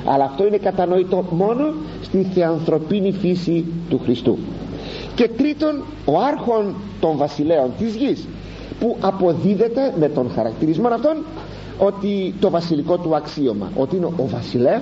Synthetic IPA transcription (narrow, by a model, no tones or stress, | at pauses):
ɐ̰lɐːft̪o̞ine̞kɐt̪ɐno̞it̪o̞mo̞no̞ | st̪iθe̞ɐnθɾo̞pinifisit̪uxɾist̪ṵ | ce̞t̪ɾit̪o̞n | o̞ɐɾxo̞n | t̪o̞ɱvɐsile̞o̞nt̪izʝis | puʔɐpo̞ðiðe̞t̪e̞me̞t̪o̞nxɐɾɐkt̪iɾizmo̞nɐft̪o̞n | o̞t̪it̪o̞vɐsiliko̞t̪uɐksio̞mɐ̰ʔo̞t̪iineʔovɐsile